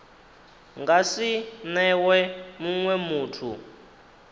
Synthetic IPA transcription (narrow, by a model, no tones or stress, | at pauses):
ŋɡasinɛwɛmuŋwɛmuːtʰu